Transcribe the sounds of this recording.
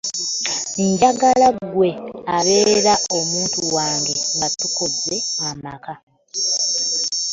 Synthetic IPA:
ɲɟaɡalaɡwe̞aβe̞ːɾao̞muːntuwaːŋɡe̞ŋɡatuko̞ze̞amaka

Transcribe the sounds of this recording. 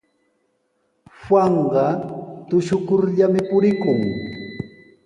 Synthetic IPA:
hwaɴɢɑt̪ʊʃʊkʊɾʎamɪpʊɾɪkʊŋ

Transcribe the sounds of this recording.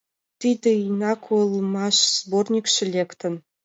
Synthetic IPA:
t̪id̪ʲɘ̆inɑkʰolˠmɑʂz̥bornʲikʂɘ̆lʲekt̪ɘ̆n

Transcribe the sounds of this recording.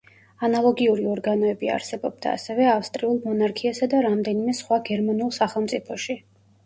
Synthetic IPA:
analˠɔɡiuɾiɔɾɡanɔɛbia̰ɾsɛbɔb̚d̪a̰ːsɛvɛafst̪ʼɾiulˠmɔnaɾkʰiasad̪aɾamd̪ɛnimɛsχwaɡɛɾmanulˠsaχɛlˠmt̪sʼipʰɔʃi

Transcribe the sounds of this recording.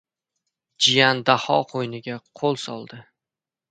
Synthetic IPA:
d͡ʒɪjand̪ahɒqʰojnɪɡʲaqʰolˠsɒlˠd̪ɪ

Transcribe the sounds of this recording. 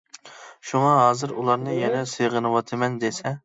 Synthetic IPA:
ʃumɑɦɑːzɨɾulˠɑɾnɨjɛnɛsɨjʁənɨwɑt̪ʰɨmɛnd̪esɛ

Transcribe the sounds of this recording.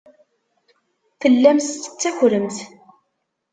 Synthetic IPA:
θəlːæmst̪ə̥t͡sːæçʷɾəmθ

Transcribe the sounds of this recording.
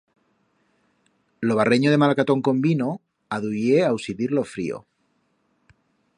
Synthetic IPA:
loβ̞areɲoð̞e̞malakat̪o̞ŋko̞mbino̞ | aðujeawsiðiɾlo̞fɾḭo̰

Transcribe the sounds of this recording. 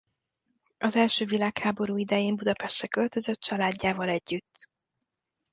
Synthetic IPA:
ʔɒzɛlʃøːvilaːkhaːbo̞ɾuːid̪ɛjeːmbud̪ɒpɛʃt̪ɛkø̞lt̪ø̞zø̞t̪t͡ʃɒlaːɟːaːvɒlɛɟːyt̪ː

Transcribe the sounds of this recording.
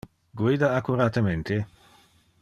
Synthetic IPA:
ɡwiːd̪aakuɾat̪ement̪e

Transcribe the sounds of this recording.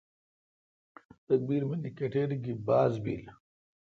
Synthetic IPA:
t̪ɐk̚biːɾmɐnikeʈeːɾiɡibaːzbḭːl

